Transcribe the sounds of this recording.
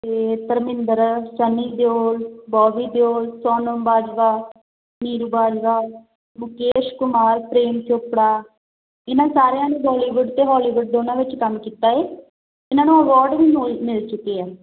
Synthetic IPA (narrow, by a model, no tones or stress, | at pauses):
t̪eːt̪əɾmɪ̃nd̪əɾsəniːd̪joːlbɔːʋiːd̪joːlsɔːnəmbaːd͡ʒʋaː | niːɾubaːd͡ʒʋaː | mʊkeːʃkʊmaːɾpɾeːmt̪ʰopɽaː | ɪnãːsaːɾejãːnũːɦɔːliːʋʊɖt̪eːɦɔːliːʋʊɖ̚d̪oːnãːʋɪt͡ʃkəmkiːt̪aːeː | ɪnãːnũːəʋɔːɾɖʋiːmlmɪlt͡ʃʊkiɛː